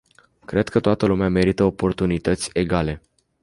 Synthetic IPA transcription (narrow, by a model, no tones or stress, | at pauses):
kɾe̞d̪kʰət̪oat̪əlumeame̞ɾit̪əopo̞rt̪unit̪ət̪sʲe̞ɡale̞